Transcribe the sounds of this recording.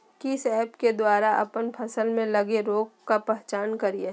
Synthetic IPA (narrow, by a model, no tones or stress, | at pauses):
kisɛːpked̪waːɾaʔɐ̰pənpʰɐsəlmẽlɐɡeɾoːɡkapɛɦt͡ʃaːnkɐɾie